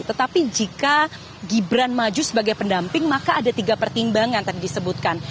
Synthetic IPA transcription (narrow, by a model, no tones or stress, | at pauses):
t̪ət̪apid͡ʒika | ɡibɾanmad͡ʒusəbaɡajpəndampɪŋmakaːdat̪iɡapərt̪imbaŋant̪adidisəbut̪̚kan